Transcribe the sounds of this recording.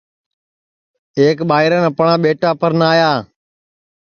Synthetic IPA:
eːkɓaːɪɾənəpɳãːɓeːʈaːpəɾnaːjaː

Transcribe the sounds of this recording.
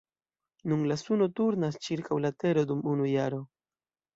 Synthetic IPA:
nunlasuno̞tuɾnast͡ʃiɾkawlate̞ɾo̞dumunujaɾo̞

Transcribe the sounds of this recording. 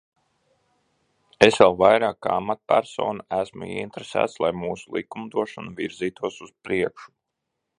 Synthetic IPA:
esvɛlˠvajɾaːkːaamat̪̚pæɾso̰ːnaæsmṵḭint̪ɾesæ̰ːt̪slˠajmuːsulˠʔḭkumd̪uɔʃɔnuviɾziːt̪uɔsuz̥pɾiɛkʃu̥

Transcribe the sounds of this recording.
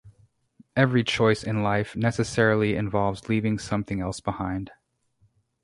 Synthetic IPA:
ɛvɹit͡ʃʰɔɪsɨ̃nlaɪfnɛsɨsɛɹl̩ˠiɨ̰̃ɱvɑlˠvzlivɪ̃ŋsʌ̃mθɪ̃ŋɛlˠsb̥əhãɪ̃nd̥

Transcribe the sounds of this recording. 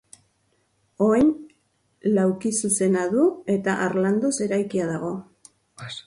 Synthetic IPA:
o̞ajn | lawkisuse̞naðue̞t̪aʔaɾland̪ose̞ɾajkiaðaɣ̞o̞

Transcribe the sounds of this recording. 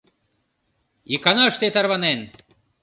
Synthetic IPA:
ikɑnɑʃt̪et̪ɑɾβɑnen

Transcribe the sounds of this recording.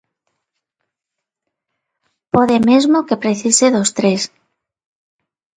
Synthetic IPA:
poðemezmokepɾeθiseðost̪ɾes

